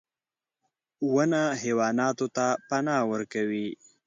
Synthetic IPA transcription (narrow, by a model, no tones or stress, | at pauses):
wənaɦewɑːnɑt̪ot̪apanɑwəɾkawi